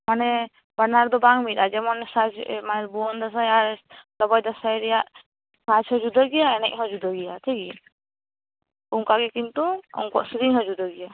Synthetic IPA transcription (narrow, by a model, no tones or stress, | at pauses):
manɛ | baɾnaɾd̪ɔbaŋmitad͡ʒɛmɔnsad͡ʒmaɾbuɔnd̪as̬ajaɾlɔbɔjd̪asajɾijaʔ | sat͡ʃʰhɔd͡ʒud̪ɔɡijaɛnɛk̚ˀɦɔd͡ʒud̪ɔɡijat̪ʰiki | uŋkaɡɛkint̪uɔ̰ŋkɔ̰ʔsiɾiŋɦɔd͡ʒud̪ɔɡija